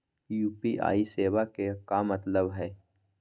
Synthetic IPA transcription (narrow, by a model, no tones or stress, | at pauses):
juːpiʔa̰ːiseːʋakekamɐt̪ləbɦɛː